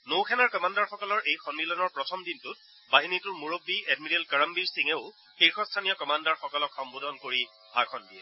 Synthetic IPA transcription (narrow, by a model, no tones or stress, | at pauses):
nowkʰɛnaɹkɔmandaɹxɔkɔlɔɹʔejxɔnmilɔnɔɹpɹɔtʰɔmdintʊt̚ | baɦinitʊɹmuɹobːiɛdmiɹɛlkaɹambiɹsiŋɛʊ | xiɹxɔstʰanijɔkɔmandaɹxɔkɔlɔkxɔmbodʱɔnkoɹi | bʱakʰɔndiɛ